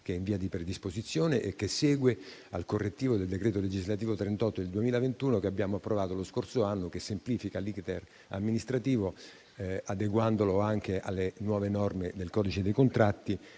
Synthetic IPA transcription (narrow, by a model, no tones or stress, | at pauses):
k̟eɛiɱviːad̪ipɾed̪ispozit̪sːjoːneʔekːesːɛːɡwealkorːet̪ːiːvod̪eld̪ekɾeːt̪oled͡ʒizlat̪iːvot̪ɾent̪ɔt̪ːod̪eld̪uemiːlavent̪uːnokeabːjaːmoapːɾovaːt̪oloskorsoanːokesːempliːfikalikt̪er | a̰mːinist̪ɾat̪iːvo | ad̪eɡwand̪oloaŋk̟eʔa̰lːenwɔːvenɔrmed̪elkɔd̪it͡ʃed̪ejkont̪ɾat̪ːi